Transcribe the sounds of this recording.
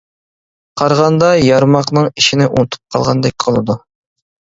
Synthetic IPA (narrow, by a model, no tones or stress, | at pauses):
qʰɑɾʁɑnd̪ɑjɑɾmɑqnɨŋiʃinɪʔunɨt̪ʰu̥p̚qʰɑ̰lˠʁɑnd̪ɛk̚ʲqʰəlˠɨd̪u